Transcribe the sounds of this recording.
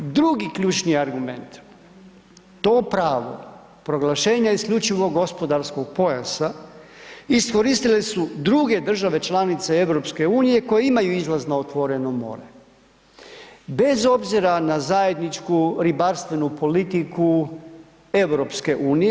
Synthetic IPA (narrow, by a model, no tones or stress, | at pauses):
d̪ɾuɡikʎʲuːt͡ʃniaɾɡume̞̰nt̪ | t̪o̞ːpɾaːʋo̰ | pɾo̞ɡlaʃe̞ːɲaiskʎʲut͡ʃiʋo̞ɡːo̞spo̞d̪aɾsko̞ɡ̚po̞ja̰sa | isko̞ɾist̪ile̞sud̪ɾuɡe̞d̪r̩ʒaʋe̞t͡ʃlanit̪se̞e̞ʋɾo̞pske̞uːnije̞ko̞jeimajuizlˠaznaot̪ʋo̞ɾe̞nomo̞̰ɾe | be̞zo̞bziɾanazaje̞d̪nit͡ʃkuɾibaɾst̪ʋe̞nupo̞lit̪iku | e̞wɾo̞pske̞ʔuːnij